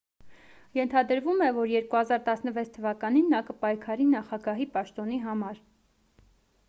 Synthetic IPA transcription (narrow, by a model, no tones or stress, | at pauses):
jɛnt̪ʰɑd̪əɾvumɛvɔɾjɛɾkuhɑzɑɾt̪ɑsnəvɛt͡sʰt̪ʰəvɑkɑninːɑkəpɑjkʰɑɾinɑχɑɡɑɦipɑʃt̪ɔn̪iɦɑmɑɾ